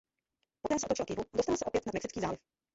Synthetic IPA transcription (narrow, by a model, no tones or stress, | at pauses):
pɔt̪ɛmsɛɔt̪ɔt͡ʃɪlkɪvuad̪ɔst̪alsɛʔɔpjɛt̪nad̪mɛksɪt͡skiːzaːlɪf